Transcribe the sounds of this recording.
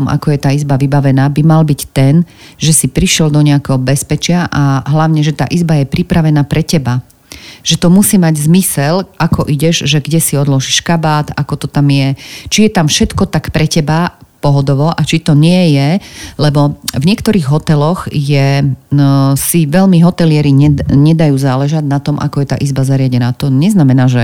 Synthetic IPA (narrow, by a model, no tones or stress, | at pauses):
mʔa̰kɔjɛt̪aːizbaʋibaʋɛnaːbimalbict̪ɛnʒɛsipɾiʃɪɛld̪ɔɲɛakɛɦɔbɛspɛt͡ʃɪaʔaɦlaʊɲɛʒɛt̪a̰ːʔizbajɛpɾipɾaʋɛnaːpɾɛcɛba | ʒ̥ɛt̪ɔmusiːmaɟzmisɛlʔakɔʔiɟɛʒʒɛɡɟɛsiɔd̪lɔʒiʃkabaːt̪akɔt̪ɔt̪amjɛt͡ʃijɛt̪amfʃɛt̪kɔt̪akpɾɛcɛbapɔɦɔd̪ɔʋɔʔat͡ʃit̪ɔɲɪɛjɛlɛbɔvɲɪɛkt̪ɔɾiːɣɦɔt̪ɛlɔɣjɛ | siʋɛlmiɦɔt̪ɛlɪɛɾiɲɛɲɛd̪ajuːzaːlɛʒaɟnat̪ɔmʔa̰kɔjɛt̪a̰ːʔizbazaɾɪaɟɛnaːt̪ɔɲɛznamɛnaːʒɛ